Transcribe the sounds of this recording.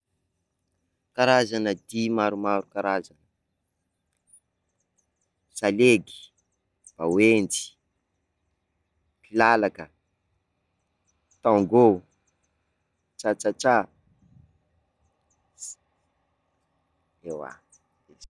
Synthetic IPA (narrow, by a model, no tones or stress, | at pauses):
kaɾazanəd̪imaɾumaɾukaɾazanə | saleɡi̥ | b̥awend͡ʒi̥ | pilalakə | t̪aŋɡo | t͡ʃat͡ʃat͡ʃa | ewa̰ | e